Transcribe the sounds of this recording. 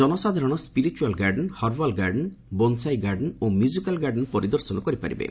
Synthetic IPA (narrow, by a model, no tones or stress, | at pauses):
ɔnɔsad̪ʱaɾɔɽ̃ɔspiɾit͡ʃualɡaɾɖɔnhɔɾbalɡaɾɖɔn | bɔnsajɡaɾɖnomjuzikalɡaɾɖɔnpɔɾid̪ɔɾsɔnɔkɔɾipa̰ɾḭbḛ